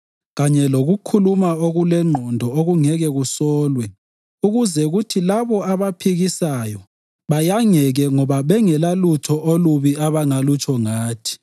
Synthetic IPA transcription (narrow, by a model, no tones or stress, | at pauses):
ɣaɲɛloɣukʰulumaoɣulɛŋ͡ǃʱɔndʱɔoɣuŋɛɣɛɣusɔːlwɛ | uɣuzɛuɣutʰilaβɔaβapʰiɣisajɔ | βajaŋɛɣɛŋɔβaβɛŋɛlalutʰɔʔoluβiaβaŋalut͡ʃʰʼɔŋaːtʰi̥